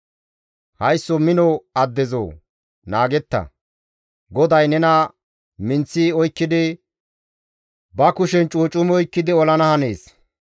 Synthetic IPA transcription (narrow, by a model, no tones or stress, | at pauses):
hɐjsːɔmɪnɔɐd̪ːɛzo̰ː | naːɡɛt̪ːɐ̰ | ɡɔd̪ɐjnɛnɐ | mɪnt͡sːiɔjkːɪd̪ɪ | bɐkʊʃɛnt͡ʃʼuːt͡ʃʼʊmɔjkːɪd̪ɪɔlɐnɐhɐne̞̰ːs